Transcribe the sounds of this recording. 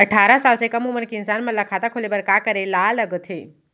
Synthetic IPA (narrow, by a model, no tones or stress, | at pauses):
ɐʈʰaːɾasaːlsekɐmumənkeɪnsaːnmɐlakʰaːt̪akʰolebɐɾkaːkəɾelaləɡt̪ʰeː